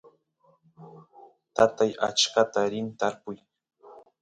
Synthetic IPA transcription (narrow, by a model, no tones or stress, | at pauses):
t̪at̪aja̰t͡ʃkat̪aɾɪnt̪aɾpʊj